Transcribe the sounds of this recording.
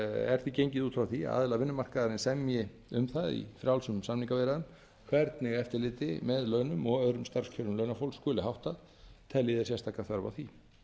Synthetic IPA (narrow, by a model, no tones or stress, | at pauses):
ɛ̰ɾ̥θicejɲcɪðuːt̪fɾawθḭa̰ːðɪlavɪnːʏmar̥kaðaɾɪnsɛmjɪ | ʏmθaðḭfɾjawlsʏmsamniŋkavɛːɾaðʏn | kʰvɛɾt̪nɪɣɛft̪ɪɾlɪːt̪ɪmɛðlœːɥnʏmɔɣœðɾʏmst̪aɾ̥scʰœlʏmlœɥnafowlskɔːlɪɦawht̪að | t̪ʰɛlːɪðɪɾsjɛst̪ʰaːkaθvœɾva̰wθi